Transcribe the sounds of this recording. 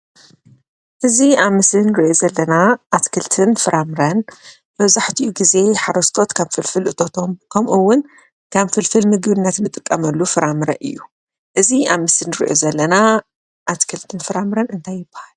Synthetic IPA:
ʔɨziaβmɨslɨnɨɾiʔozɐlːɐnaʔːt̪kʰɨlt̪ʰɨnfɨɾʔamɨɾɐn | bɐβzaħt̪ʰiuɡize̞ħaɾɐst̪ʰo̞t̪kʰaβfɨlfɨlʔɨt̪ʰo̞t̪ʰo̞mkʰɐmʔuwːʊn | kʰaβfɨlfɨlmɨɡβɨnːɐt̪nɨt̪ʼɨkʼːɐmɐlːufɨɾamɨɾɐʔɨ̰jːu | ʔɨziaβmɨsɨnːɨɾḭʔo̰zɐlːɐna | ʔat̪kʰɨlt̪ʰɨnfɨɾamɾɐnɨnt̪ʰajːɪbːahal

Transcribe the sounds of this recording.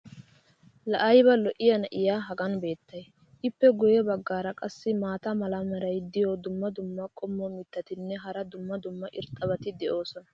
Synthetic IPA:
lɐʔɐjbɐlɔʔɪjɐnɐʔɪjaːɦɐɡɐnbe̞ːt̪ːɐj | ʔɪpːɛɡʊjɛbɐɡːaːɾɐkʼɐsːɪmaːt̪ɐmɐlɐmɛɾɐjd̪ɪjod̪ʊmːɐd̪ʊmːɐkʼɔmːɔmɪt̪ːɐt̪ɪnːɛɦɐɾɐd̪ʊmːɐd̪ʊmːɐʔɪɾt̪ʼːɐbɐt̪ɪd̪ɛʔo̞ːsɔnɐ̥

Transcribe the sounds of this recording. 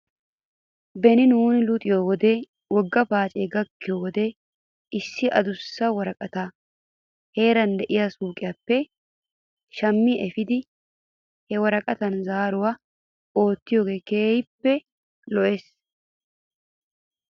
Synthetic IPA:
bɛnɪnuːnɪlʊt̪ʼɪjowɔd̪e | wɔɡːɐpaːt͡ʃʼeːɡɐkːɪjowɔd̪eː | ɪsːɪʔɐ̰d̪ʊsːɐwɐɾɐkʼɐt̪aː | he̞ːɾɐnd̪ɛʔɪjasuːkʼɪjapːɛ | ʃɐmːɪɛfɪd̪ɪ | hɛwɐɾɐkʼɐt̪ɐnzaːɾʊwa | o̞ːt̪ːɪjoːɡeːkeːhɪpːɛ | lɔʔe̞ːs

